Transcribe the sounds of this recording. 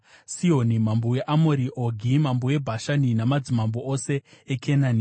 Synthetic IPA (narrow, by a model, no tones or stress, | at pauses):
sionimambowe̞ʔamoɾiʔoɡʱimambowe̞bʱaʃaninamad͡zimamboʔose̞ːkʰenani